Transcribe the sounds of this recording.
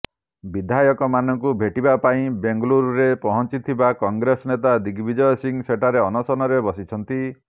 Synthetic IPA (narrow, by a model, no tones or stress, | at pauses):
bid̪ʱajɔkɔmanɔŋkubʱeʈibapaĩbeŋɡluɾuɾepɔɦɔnt͡ʃit̪ʰibakɔŋɡɾesɔnet̪ad̪iɡbid͡ʒɔjɔsiŋseʈʰaɾeɔnɔsɔnɔɾebɔsit͡ʃʰɔnt̪i